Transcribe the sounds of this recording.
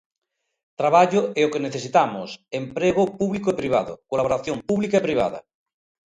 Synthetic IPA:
t̪ɾaβaʎoɛokeneθesit̪amosempɾeɣ̞opuβlikoepɾiβ̞a̰ðo̰kolaβoɾaθjompuβlikaepɾiβ̞a̰ða̰

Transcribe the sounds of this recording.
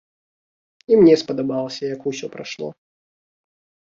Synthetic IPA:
imnʲɛspɐd̪abalˠɐsʲɐjakusʲɔpɾa̰ʂlˠɔ̰

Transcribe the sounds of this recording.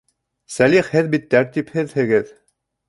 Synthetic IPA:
sæliχhɘðbit̪ːæɾt̪iphɘðhɘ̆ɡɘð

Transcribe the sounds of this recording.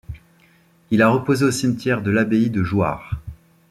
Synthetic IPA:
ilaʁəpozeosimt̪ʲjɛʁd̪əlabeid̪əʒwa̰ːʁ

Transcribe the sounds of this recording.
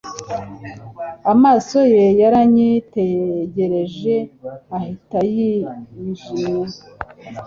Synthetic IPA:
amaːso̞je̞jaɾaɲiteɟe̞ɾe̞ʒe̞ahitajiiʒina

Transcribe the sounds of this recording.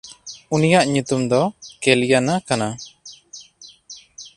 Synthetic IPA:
unijaʔɲut̪umd̪ɔkelijanakana

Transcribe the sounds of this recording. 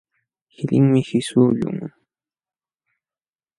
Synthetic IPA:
hɪlɪŋmɪhɪsʊːʎʊ̰ŋ

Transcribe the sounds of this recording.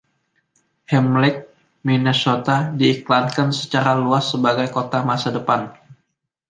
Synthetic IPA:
hɛmlɪk̚ | minesot̪adiːklankansə̥t͡ʃaɾaluasːəbaɡajkot̪amasadəpan

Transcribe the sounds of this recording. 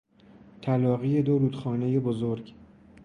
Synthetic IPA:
t̪ʰælɒːɣijed̪oɾuːd̪̥xɒːne̞jebozoɾɡ

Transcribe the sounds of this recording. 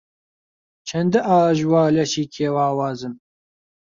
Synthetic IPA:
t͡ʃʰɛnd̪ɨʔaːʒwɑːlɛʃiːkʰeːwɑːwɑːzɨm

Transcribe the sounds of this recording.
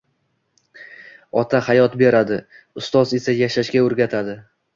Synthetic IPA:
ɒt̪ʰahajɒt̪be̞ɾad̪ɪ | ʊst̪ɒze̞sajaʃaʃɡʲaɵɾɡʲat̪ʰad̪ɪ

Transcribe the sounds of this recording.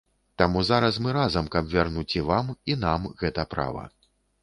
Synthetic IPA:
t̪amuzaɾɐsmɨɾazɐmkɐbvʲarnut͡sʲivaminamɣɛt̪ɐpɾa̰vɐ̰

